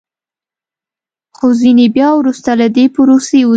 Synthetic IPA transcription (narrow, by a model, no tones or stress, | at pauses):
xozinebjɑwɾust̪alad̪epʊɾoseu